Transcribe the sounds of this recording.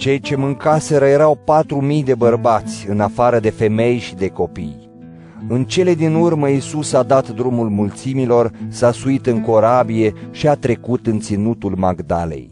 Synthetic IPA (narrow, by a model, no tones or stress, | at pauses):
t͡ʃe̞jt͡ʃe̞mɨŋkaseɾəje̞ɾawpat̪ɾumijd̪e̞bərbat̪sʲɨnafaɾəd̪e̞fe̞me̞jʃid̪e̞ko̞pij | ɨnt͡ʃe̞le̞d̪inurməisusad̪at̪d̪ɾumulmult̪similo̞rsasuit̪ɨŋko̞ɾabije̞ʃiat̪ɾe̞kut̪ɨnt̪sinut̪ulmaɡd̪a̰le̞̰j